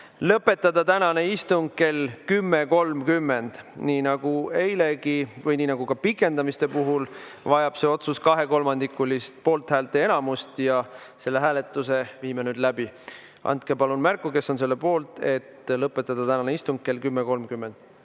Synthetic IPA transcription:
lɤpːˑe̞t̪ːˑɑd̪̥ɑt̪ænɑne̞ist̪uŋɡ̚ke̞lkymːe̞ko̞lmkymːe̞nd̪̥niːnɑɡ̥ue̞jle̞ɡivɤjniːnɑɡ̥ukɑpikːˑe̞nd̪ɑmist̪e̞puɦul | vɑjɑb̥se̞o̞t̪suskɑɦe̞ko̞lmɑnd̪ikːˑulist̪̚po̞ːlt̪hæːlt̪ːˑeenɑmust̪jɑ | se̞lːe̞ɦæːle̞t̪ːˑuse̞viːmenyːd̪̥læb̥i | ʔɑ̰nt̪ke̞pɑlunmærkːˑuke̞sːo̞ns̬e̞lːe̞po̞ːlt̪ˑe̞t̪lɤpːe̞t̪ːˑɑd̪̥ɑt̪ænɑneist̪uŋk̚kːe̞lkymːeko̞lmkymːe̞nd̪̥

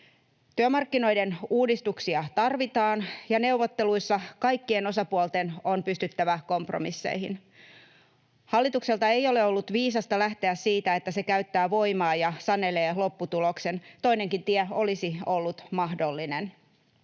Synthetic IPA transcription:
t̪yømɑrkːino̞idenuːdist̪uksiɑt̪ɑrʋit̪ɑːnjɑne̞wʋot̪ːe̞luisːɑkɑjkːie̞no̞sɑpuolt̪e̞nonpyst̪yt̪ːæʋæko̞mpro̰misːḛihḭn | hɑlːit̪ukse̞lt̪ɑejo̞le̞o̞lːut̪ʋiːsɑst̪ɑlæht̪eæsiːt̪æe̞t̪ːæse̞kæyt̪ːæːʋo̞jmɑːjɑsɑne̞le̞ːlo̞pːut̪ulo̞kse̞nt̪o̞ine̞ŋkint̪iɛo̞lisio̞lːut̪mɑhdo̞lːinen

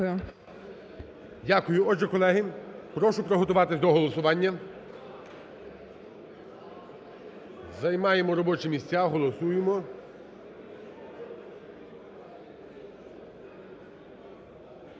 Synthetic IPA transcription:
ʊ | dʲakʊjʊɔʒɛkɔlˠɛɦɪpɾɔʃʊpɾɔɦɔt̪ʊʋɑt̪ɪsʲd̪ɔɦɔlˠɔsʊʋɑnʲːɐ | zɐjmɑjemɔɾɔbɔt͡ʃɪmʲisʲt͡sʲaɦɔlˠɔsujemɔ

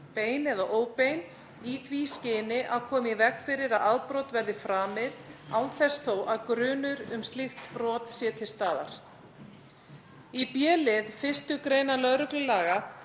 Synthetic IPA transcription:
peːjnɛðaʔoːwpejn | iθviscɪːnɪʔaðkʰɔːmɛvɛkfɪɾɪɾaðaðpɾɔwt̪vɛɾðɪfɾaːmɪðawθɛsθowʔaðkɾʏːnʏɾʏmst̪lɪxt̪pɾɔːt̪sjɛːt̪ʰɪst̪aːða̰ɾ̥ | ipjɛːlɪðfɪst̪ʏkɾeːjnalœðɾʏklʏlaːɣa

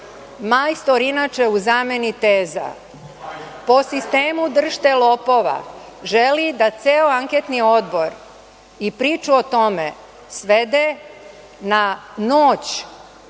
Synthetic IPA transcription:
majst̪oɾinat͡ʃe̞uzaːme̞nit̪eːza̰ | po̞sist̪e̞ːmud̪r̩ʃt̪elo̞po̞ʋa̰ʒelid̪at̪seːoaŋket̪nio̞d̪bo̞ɾ | ipɾiːt͡ʃuot̪o̞mḛ | sʋe̞d̪e | nanoːt͡ɕ

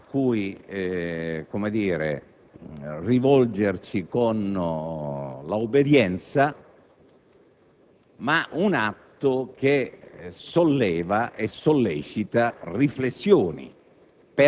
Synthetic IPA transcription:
akːuj | komed̪iːɾḛ | rivɔld͡ʒert͡ʃikon | laubed̪jɛnt̪sa | maʔunat̪ːʊk̟esolːɛːvaʔesolːɛːt͡ʃit̪ariflesːjoːnḭ | pe

